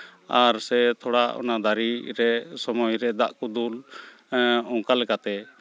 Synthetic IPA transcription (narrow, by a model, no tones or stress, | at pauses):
aɾsɛt̪ʰɔɽaʔɔ̰nad̪aɾiɾɛsɔmɔjɾɛd̪aʔkud̪ul | ɔŋkalɛkat̪ɛ